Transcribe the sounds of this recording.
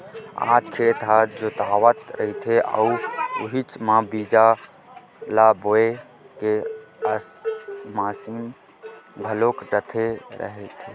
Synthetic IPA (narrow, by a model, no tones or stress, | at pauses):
a̰ːd͡ʒkʰeːt̪ad͡ʒot̪aːʋət̪ɾəɦit̪ʰeʔə̰uʊɦit͡ʃmãbiːd͡ʒa | laboe | keəsmaːsim | bʱəlokɖət̪ʰeɾə̰ɦɛt̪ʰe